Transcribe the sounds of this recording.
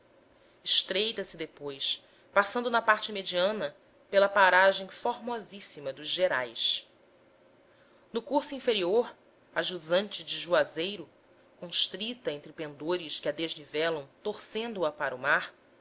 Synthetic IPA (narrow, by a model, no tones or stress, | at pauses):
iʃt̪ɾejt̪ɐsɪd̪epojs | pasɐ̃nd̪ʊnɐpaɾt͡ʃɪmed͡ʒiɐ̃nɐ | pelɐpaɾaʒẽj̃foɾmɔzisimɐd̪ʊʒʒeɾajs | nʊkuɾsuĩfeɾioɾ | aʒuzɐ̃nt͡ʃɪd͡ʒɪʒuazejɾʊ | kõʃt̪ɾit̪ɐẽnt̪ɾɪpẽnd̪oɾɪʃkɪɐd̪eʒnivɛlɐ̃w̃t̪oɾsẽnd̪uɐpaɾumaɾ